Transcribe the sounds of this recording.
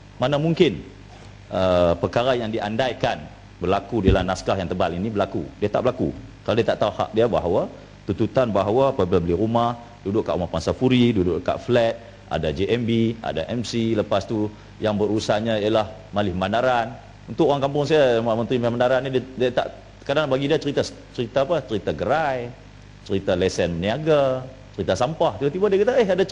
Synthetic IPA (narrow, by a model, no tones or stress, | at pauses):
manamuŋkɪn | ʔəpərkaɾajaŋdiʔandajkan | bərlakudilahnaskahjaŋt̪əbalinibərlakudiat̪aʔbəlakṵkalawdiat̪aʔt̪auha̰ʔ̚diabaɦawa | t̪unt̪ut̪anbaɦawapablabəlɪɾumah | dudʊʔkaʔumahpansafuɾidudʊʔka̰ʔflɛt̪̚ | ʔa̰dad͡ʒeʔɛmbia̰da̰ʔɛmsiləpast̪u | jaŋbərusaɲaijalah | malɪhmanaɾan | unt̪ʊkʔoɾaŋkampʊŋsajamaʔmənt̪ɾimamanaɾanːidadiat̪a̰ʔ | kadaŋabaɡidiat͡ʃəɾit̪a | t͡ʃəɾit̪aːpat͡ʃəɾit̪aɡəɾaj | t͡ʃəɾit̪alɛsɛnːiaɡa | t͡ʃəɾit̪asampaht̪ibat̪ibadiakat̪aəɦada